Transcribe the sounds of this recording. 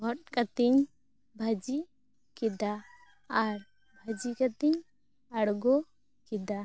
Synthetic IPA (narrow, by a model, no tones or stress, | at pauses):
bʱɔʈ̚kat̪iɲ | bʱad͡ʒi | kid̪aː | ɾ | bʱəd͡ʒikat̪iɲ | aɽɡɔ | kid̪a